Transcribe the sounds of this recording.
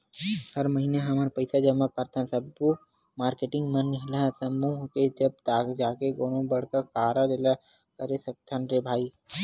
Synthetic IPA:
hɐɾməɦineɦɐməɾpəɪsad͡ʒəmakəɾt̪ɛ̃sɐbku | maːɾkeːʈɪ̃ŋɡmənɪɦlasɐmuɦked͡ʒɐb̚t̪aːkd͡ʒaːkeɡoːnõbɐɽ̤kəkaːɾad̪ela | kɐɾesɐk̚t̪ʰanɾebʱaːi

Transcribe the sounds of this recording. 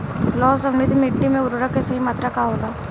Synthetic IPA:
lɔːsəmnɪd̪ʱmɪʈːimẽʊɾɾəkeseɦimɐt̪ɾɐkʰaɦoːlaː

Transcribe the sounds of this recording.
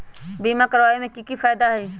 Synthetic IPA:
biːmakəɾʋaːemẽkikifaːjd̪aɦiː

